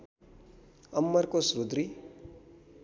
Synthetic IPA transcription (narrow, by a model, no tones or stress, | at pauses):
ʌmːʌɾkosɾud̪ɾi